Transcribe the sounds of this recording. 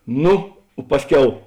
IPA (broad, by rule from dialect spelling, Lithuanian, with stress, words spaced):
ˈnʊ ˈpɑːsʲˌkʲɛʊ